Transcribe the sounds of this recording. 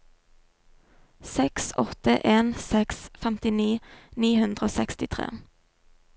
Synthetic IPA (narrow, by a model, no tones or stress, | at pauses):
sɛksɔt̪əʔeːnsɛksfɛmt̪ɪniːniːhʉnd̪ʁəoːsɛkst̪ɪt̪ʰʁḛː